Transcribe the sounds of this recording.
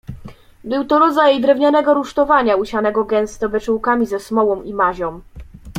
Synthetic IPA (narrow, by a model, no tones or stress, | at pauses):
bɘwt̪ɔɾɔd̪zajjd̪ɾɛvɲanɛɡɔɾuʂt̪ɔvaɲauɕanɛɡɔɡɛnst̪ɔbɛt͡ʂuwkamʲizɛsmɔwɔ̃w̃imaʑɔ̃w̃